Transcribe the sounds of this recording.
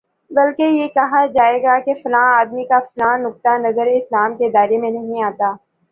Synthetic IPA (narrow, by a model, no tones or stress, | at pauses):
bɐlkejekɐɦad͡ʒaːeːɡakefʊlãːaːd̪mikafʊlaːnʊk̚t̪anɐzəɾeɪslaːmked̪aːɾemẽnɐɦĩaːt̪aː